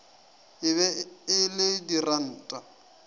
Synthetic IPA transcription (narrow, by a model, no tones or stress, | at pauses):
ɪβɛɪlɪdiran̩ːtʼa